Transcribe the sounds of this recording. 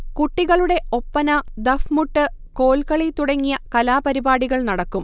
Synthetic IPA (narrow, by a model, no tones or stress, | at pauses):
kuʈːiɣɐɭuɽe̞o̞pːɐnɐd̪ɐfmuʈːɨ | ko̞ːlkɐɭit̪uɽɐŋːijɐkɐlaːpɐɾibaːɽiɣɐɭnɐɽɐkːum